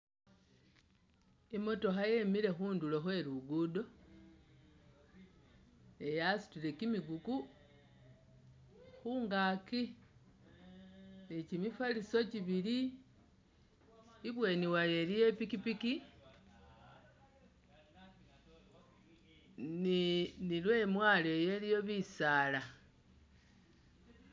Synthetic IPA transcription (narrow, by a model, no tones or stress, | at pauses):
imo̞to̞xajemiɾe̞xuːnduloxwe̞luɡudo̞ | ejasi̥tile̞kimiɡuku | xuŋɡaki | nicimifaliso̞ciβili | βwe̞niwaje̞lije̞pikipiki | ninilwe̞mwaleje̞lijo̞βisaːla